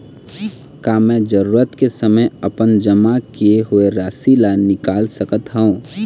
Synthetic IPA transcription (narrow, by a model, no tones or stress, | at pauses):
kamɛ̃ːd͡ʒəɾuːɾət̪kesəməjəpənd͡ʒəmakieɦʊeɾaːsilanɪkaːlsəkət̪ɦəũː